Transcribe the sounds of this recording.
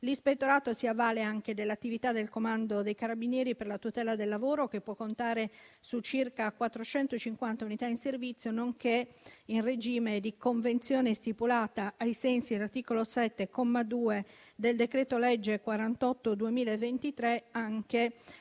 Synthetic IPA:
lispet̪ːoɾaːt̪osiavːaːleaŋk̟ed̪elːat̪ːivit̪ad̪elkomand̪od̪ejkaɾabinjɛːɾiperlat̪ut̪ɛːlad̪elːavoːɾokepːwɔkːont̪aːɾesut͡ʃːirkakwat̪ːɾot͡ʃɛnt̪ot͡ʃiŋkwant̪aunit̪ainservit̪sːjonoŋkeinred͡ʒiːmed̪ikoɱvent̪sjɔːnest̪ipulaːt̪aːjsɛnsilart̪iːkolosɛt̪ːekɔmːad̪uːe | d̪eld̪ekɾɛːt̪olɛd͡ʒːekwaɾant̪ɔt̪ːod̪uemiːlaevːent̪it̪ɾeaŋke

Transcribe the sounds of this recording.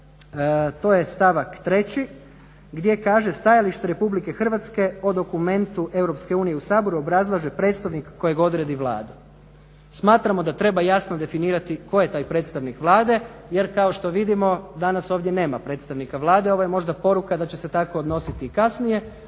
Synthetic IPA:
t̪o̞ːje̞st̪aʋakt̪ɾe̞t͡ɕi | ɡd̪je̞kaːʒe̞st̪ajaliʃt̪e̞ɾe̞publike̞xr̩ʋat̪ske̞o̞d̪o̞kume̞nt̪uʔe̞wɾo̞pske̞uːnije̞usaːbo̞ɾuo̞bɾazlˠaʒepɾe̞ːt̪st̪aʋnikːo̞jeɡo̞d̪ɾe̞d̪iʋlˠa̰ːd̪u | smaːt̪ɾamo̞d̪at̪ɾe̞bajasno̞d̪e̞finiːɾat̪iko̞jet̪aːjpɾe̞ːt̪st̪aʋnikʋlˠaːd̪e̞je̞ɾkao̞ʃt̪o̞ʋid̪imo̞d̪anaso̞ːʋd̪ʲje̞ne̞ːmapɾe̞ːt̪st̪aʋnikaʋlˠaːd̪eo̞ʋojemo̞ʒd̪apo̞ɾukad̪at͡ɕese̞t̪ako̞ːd̪no̞sit̪iːkasnije̞

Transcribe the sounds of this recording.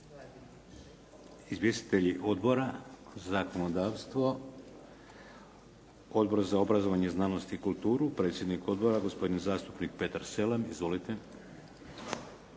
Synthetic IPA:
izʋje̞st̪i̥t̪eʎiʔo̞d̪bo̞ɾazako̞no̞d̪aːʋst̪ʋo̞ | o̞d̪bo̞ɾzao̞bɾazo̞ʋaɲeznaːno̞st̪iːkulˠt̪uːɾupɾe̞ːt̪sje̞d̪niko̞d̪bo̞ɾaɡo̞spo̞d̪inzaːst̪upnik̚pe̞t̪aɾse̞lemizʋo̞lit̪e

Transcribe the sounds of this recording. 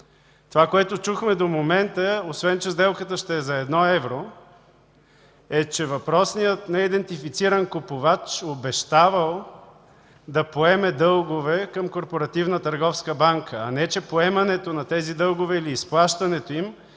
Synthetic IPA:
t̪ovakoɛt̪ʊt͡ʃuxmɛd̪omomɛnt̪əosvɛnt͡ʃɛzd̪ɛlˠkət̪əʃt̪ɛːzɐɛd̪nɔɛvɾo | ɛt͡ʃɛvɐpɾɔsnijət̪nɛid̪ɛnt̪ifit̪siɾɐnkopovat͡ʃobɛʃt̪avəlˠ | d̪ɐpoɛmɛd̪ɤlˠɡovɛkəmkoɾpoɾɐt̪ivnət̪ɐɾɡɔfskəbaŋkʰəːnɛt͡ʃɛpoɛmɐnɛt̪onɐt̪ɛzid̪ɤlˠɡʊvɛiliːsplˠaʃt̪ɐnɛt̪oim

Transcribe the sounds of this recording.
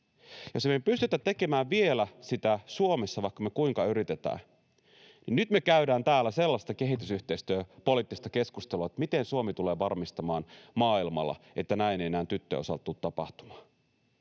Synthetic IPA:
jo̞smeepyst̪yt̪æt̪ːe̞ke̞mæːʋʋie̞læsit̪æsuome̞sːɑʋɑikːɑmekuiŋkɑyɾit̪et̪æ̰ː | ninnyt̪me̞kæydæːnt̪æːlːæse̞lːɑst̪ɑke̞ɦit̪ysyht̪e̞ist̪øːpo̞liːˑt̪ːist̪ɑke̞skust̪eluɑet̪ːmit̪e̞nsuomit̪ule̞ːʋɑrmist̪ɑmɑːnmɑːilmɑ̰lːɑ̰e̞t̪ːænæinejenæːnt̪yt̪ːø̰osɑlt̪ːut̪t̪ːɑpɑ̰ht̪u̥mɑ̥ː

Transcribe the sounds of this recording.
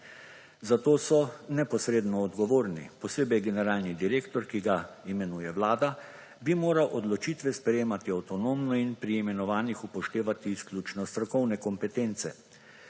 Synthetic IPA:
zat̪oːsɔnɛpɔsɾeːd̪nɔːd̪ɡɔʋoːɾnḭpɔseːbɛjɡɛnɛɾaːlnid̪iɾeːkt̪ɔɾkiɡaimɛnuːjɛwlaːd̪a | bimoːɾawʔɔd̪lɔt͡ʃiːt̪ʋɛspɾɛjeːmat̪iawt̪ɔnoːmnɔinpɾiːmɛnɔʋaːnixupɔʃt̪eːʋat̪iːsklʲuːt͡ʃnɔst̪ɾɔkɔwnɛkɔmpɛt̪eːnt̪sɛ

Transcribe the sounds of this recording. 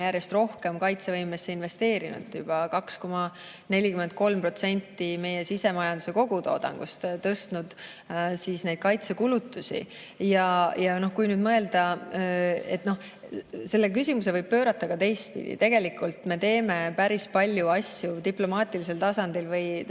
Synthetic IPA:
jæɾje̞st̪ro̞hke̞mkɑjt̪se̞vɤjmesːeinve̞st̪e̞ːɾinṵd̪̥jub̥ɑkɑksko̞mɑ | ne̞lʲikyment̪̚ko̞lmpro̞t̪se̞nʲt̪ːime̞je̞sise̞mɑjɑnd̪use̞ko̞ɡ̥ut̪o̞̰ːd̪̥ɑ̰ŋɡ̥ust̪t̪ɤst̪nud̪̥ | siːsne̞jd̪̚kɑjt̪se̞kulut̪ːˑusḭ | jɑjɑno̞hkujnyːd̪mɤe̞ld̪̥ɑ | e̞t̪no̞h | se̞lːe̞k̬ysʲimus̬e̞vɤjb̥̚pø̞ːɾɑt̪ːˑɑkɑt̪e̞jst̪̚pḭd̪ḭt̪e̞ɡ̥e̞likːˑult̪me̞t̪e̞ːme̞pæɾispɑlʲjuɑsʲjut̪iplo̞mɑːt̪ˑilis̬e̞lt̪ɑsɑnd̪̥ilvɤj

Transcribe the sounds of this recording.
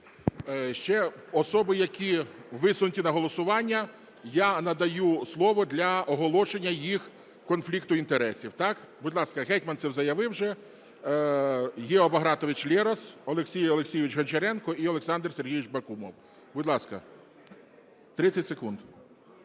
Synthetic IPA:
ʃt͡ʃɛɔsɔbɪjɐkʲiʋɪsʊnʊtʲinɐɦɔlˠɔsʊʋɑnʲːɐ | janɐd̪ɐjuslˠɔʋɔd̪lʲɐɔɦɔlˠɔʃenʲːɐjix | kɔnflʲikt̪ʊint̪eɾɛsʲiwt̪ɑkbʊdʲlˠɑskɐɦɛtʲmɐnsɛwzɐjɐʋɪwʒɛ | ɦʲɛɔbɐɦɾɑt̪ɔʋɪt͡ʃlʲɛɾɔsɔlˠeksʲijɔlˠeksʲijɪʋʲɪt͡ʃɦɐnʲt͡ʃeɾɛnkɔʔiɔlˠeksɑnd̪rserɦʲijʋɪt͡ʃbɐkumɔ̰w | bʊd̪ʲlˠɑskɐ̰ | t̪ɾɪt͡sʲːɐtʲsekund̪

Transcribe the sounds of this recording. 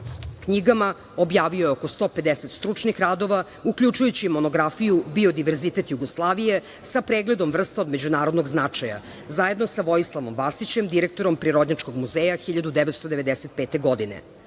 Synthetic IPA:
kɲiɡama | o̞bjaːʋiojeokost̪o̞ːped̪ese̞t̪st̪ɾut͡ʂnixɾad̪o̞ʋa | ukʎut͡ʃujut͡ɕimo̞no̞ɡɾafijubio̞d̪iʋeɾzit̪e̞t̪juɡo̞slˠaːʋije̞ | sapɾeːɡled̪o̞mvr̩st̪aod̪me̞d͡ʑunaːɾod̪noɡznat͡ʂaja̰ | zaje̞d̪nosaʋo̞jislˠaʋo̞mʋasit͡ɕemd̪iɾek̚t̪o̞ɾo̞mpɾiɾo̞d̪ɲat͡ʃko̞ɡmuzeːjaxiʎad̪ud̪eʋet̪st̪o̞d̪e̞ʋed̪eset̪̚peːt̪eɡo̞d̪inḛ

